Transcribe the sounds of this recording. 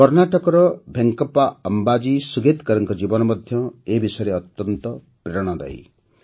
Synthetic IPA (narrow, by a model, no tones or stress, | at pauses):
kɔɾnaʈɔkɔɾɔbʱeŋkɔpaɔmbad͡ʒisuɡet̪kɔɾɔŋkɔd͡ʒibɔnɔmɔd̪ʱjɔebisɔjɾeɔt̪jɔnt̪ɔ | pɾeɾɔɽ̃ɔd̪a̰ḭ